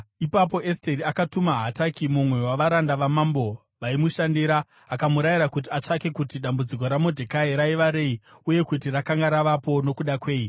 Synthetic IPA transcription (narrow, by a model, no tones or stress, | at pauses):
ipap̬o̞ʔesteɾiakatumaɦatakimumwe̞waʋaɾandaʋamambo̞ | ʋaimuʃandiɾaː | kamuɾajiɾakut̬iat͡ʂake̞kutiɗambud͡ziko̞ɾamodʱekaeɾaiʋaɾe̞iuje̞kutirakaŋɡaɾaʋapo̞no̞kuɗakwe̞ːi